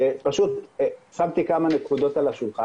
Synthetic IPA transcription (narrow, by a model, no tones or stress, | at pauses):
epaʃut̪samt̪ikamanekud̪o̞t̪alaʃulχa